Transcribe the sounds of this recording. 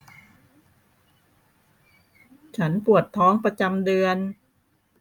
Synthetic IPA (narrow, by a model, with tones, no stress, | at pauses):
t͡ɕʰa˦˥npu˨˩ət̪ʰːɔː˦˥ŋpɾa˧t͡ɕa˧mdɯ˧ən